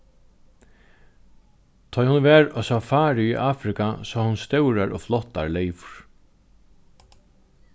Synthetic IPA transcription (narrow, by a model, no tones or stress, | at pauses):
t̪ʰɔːjhʊnvɛːɾɔsɔfaːɾɪiʔaːfɾɪkasɔːhunst̪œwɾaɾʔɔ̰flɔht̪ːa̰ɾlɛjvʊɹ̥